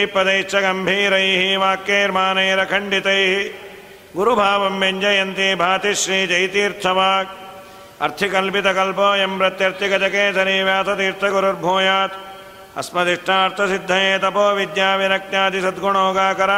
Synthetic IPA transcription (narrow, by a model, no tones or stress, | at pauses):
pɾɐd̪ɐjt͡ʃʰːɐɡɐmbʱiːɾɐjiɦiʋaːkːeːɾmaːnɐːɾɐkʰɐɳɖit̪ɐjɦi | ɡuɾubʱaːʋɐmːeɲd͡ʒɐjɐnt̪ibʱaːt̪iʃɾiːd͡ʒɐjt̪iːɾt̪ʰɐʋaːk̚ | ɐ̰ɾt̪ʰikɐlpit̪ɐkɐlpoːjɐmpɾɐt̪jɐɾt̪ikɐd͡ʒɐkeːsɐɾiːʋjaːt̪ʰɐt̪iːɾt̪ʰɐɡuɾɐɾbʱoːjaːt̪ | ɐ̰smɐd̪iʂʈʰaːɐɾt̪ʰɐsid̪ʱːɐjeːt̪ɐpoːʋid̪jaːʋinɐk̚naːt̪isɐd̪ɡuɳoːɡaːkɐɾaː